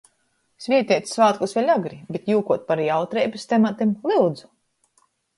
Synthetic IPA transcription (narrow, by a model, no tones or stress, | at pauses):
svʲiɛt̪ʲiɛt̪sʲsvaːt̪̚kusvɛlʲaɡɾibʲet̪juːkuɔt̪̚paɾiːawt̪ɾɛjbɨst̪ɛmat̪imlˠilˠd̪zu̥